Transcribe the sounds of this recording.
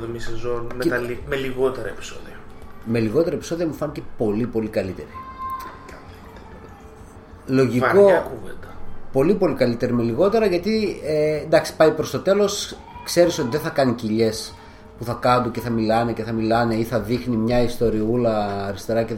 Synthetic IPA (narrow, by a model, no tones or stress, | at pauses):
ðomisezo̞nmeɐlimeliɣo̞t̪eɾɐepi̥so̰ðiɐme̞liɣo̞t̪e̞ɾɐepi̥so̞ðiɐmufɐnicepo̞lipo̞likɐlit̪e̞ɾi | lo̞ʝiɐko̞ɐkuvend̪ɐpo̞lipo̞likɐlit̪e̞ɾime̞liɣo̞t̪e̞ɾɐʝɐt̪iend̪ɐksi̥pɐipɾo̞st̪o̞t̪e̞lo̞s | kse̞ɾiso̞t̪iðeθɐkɐniciʎe̞s | puθɐkɐnd̪uceθɐmilɐneceθɐmilɐne̞iθɐðixnimɲɐist̪o̞ɾiulɐːɾist̪e̞ɾɐce